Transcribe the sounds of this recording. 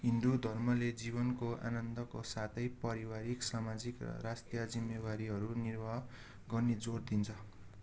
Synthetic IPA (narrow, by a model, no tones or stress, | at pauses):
ɦind̪ud̪ʱʌrmʌled͡ziβʌnkoa̰nʌnd̪ʌkosat̪ʰʌjpʌɾiwaɾiksamad͡zikrʌ̰rast̪jʌd͡zimːebaɾiɦʌɾunirbʱa | ɡʌrned͡zord̪int͡sʰʌ